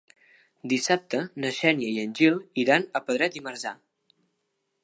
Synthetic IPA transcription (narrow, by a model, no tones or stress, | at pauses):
d̪isap̚t̪ənəʃɛnjəiənʲʒilˠiɾanəpəðɾɛt̪iməɾza